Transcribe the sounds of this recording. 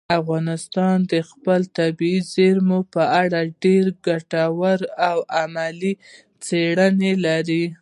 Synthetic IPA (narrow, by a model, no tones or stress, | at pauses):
afɣɑnɪst̪ɑnd̪əxpəlt̪abiizeɾmopəaɽaɖeɾɡaʈawaɾawamali | t͡seɽənelaɾi